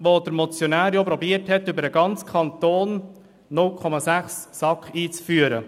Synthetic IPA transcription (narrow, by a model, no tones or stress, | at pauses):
ʋod̥̪əɾmɔt͡sjɔnæːɾjopɾɔbiəɾthɛt̪ːʏbəɾəɡ̥ɑnt͡skʰɑnt̪oːnː | ʊlkʰɔmɑsæχsːɑkχiːt͡sfyːəɾə̰